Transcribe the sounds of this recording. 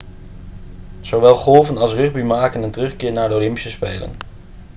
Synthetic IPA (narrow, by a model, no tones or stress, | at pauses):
z̥owʋɛlˠχɔlˠvənɑlˠsrʏχbimaːkənəntərɵχkɪːɹnaːɹdəolɪmpi̥səspejlə̰n